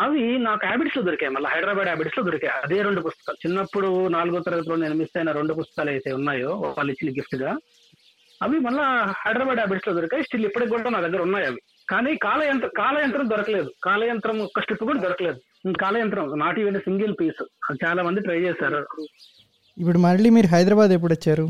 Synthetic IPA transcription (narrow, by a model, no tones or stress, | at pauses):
ɐʋinaːkuaːbiʈsloːd̪oɾikeːjmɐlːɐɦɐjɖɾaːbaːɖaːbiʈsloːd̪oɾikeːjɐd̪e̞ːɾeɳɖupust̪ɐ̥kaːlut͡ʃinːɐpːuɽunaːluɡoːt̪ɐɾɐɡɐt̪uloːneːnumisɐjnaɾeɳɖup̬ust̪ɐ̥kaːlɐjt̪eːunːaːjoːʋːlːɐit͡ʃːinɐɡifʈɡaː | ɐʋimɐlːɐhɐjɖɾaːbaːɖaːbiʈsloːd̪oɾikaːjisʈilipːɐʈɐkuːɽaːnaːd̪ɐɡːɐɾunːaːjɐʋi | kaːniːkaːlɐjɐnt̪ɾɐkaːlɐjɐnt̪ɾɐmd̪ɔɾɐkɐle̞ːd̪ukaːlɐjɐnt̪ɾɐmɔkːɐʂʈipːukuːɽɐd̪ɔɾɐkɐle̞ːd̪u | kaːlɐjɐnt̪ɐɾɐmnaːʈiːʋɐnɐsiŋɡelpiːsɐd̪it͡ʃaːlaːmɐnd̪iʈɾɐjt͡ʃɛːsaːɾu | ipːuɽumɐɾɐɭiːmiːɾuɦɐjd̪ɾɐbaːd̪ep̬ːuɽɐt͡ʃːaːɾu